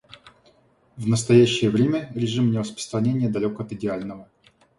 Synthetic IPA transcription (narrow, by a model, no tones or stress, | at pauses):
vnəst̪ɐjæɕːɪjəvɾʲemʲəɾʲɪʐɨmnʲɪrəspɾə̥st̪ɾɐnʲenʲɪjəd̪ɐlʲokəɐt̪ɨdʲɪalʲnəvə